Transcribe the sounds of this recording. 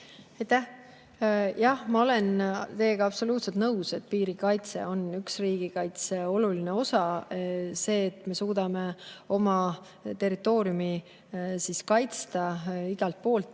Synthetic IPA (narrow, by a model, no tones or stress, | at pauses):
ɑjt̪æh | jɑhmɑo̞le̞nt̪e̞ːɡ̥ɑɑpso̞luːt̪set̪nɤwse̞t̪̚piːɾikɑjt̪se̞̰o̞nyksriːɡ̥ikɑjt̪seo̞lulineo̞sɑ | se̞ːt̪ːˑme̞suːd̪̥ɑme̞o̞mɑ | t̪e̞rit̪ːˑo̞ːɾijumi | siskɑjt̪st̪ɑiɡ̥ɑlt̪̚po̞ːlt̪ːˑ